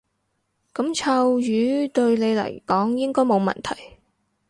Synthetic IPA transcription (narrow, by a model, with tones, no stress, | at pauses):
kɐ˨˥mt͡sʰɐ˧wjyː˨˥t̪ɵ˧ɥne˨˧jlɐ̰˨˩jkɔː˨˥ŋjɪ˥ŋkɔː˥jmo˨˧wmɐ̰˨nt̪ʰɐ̰˨˩j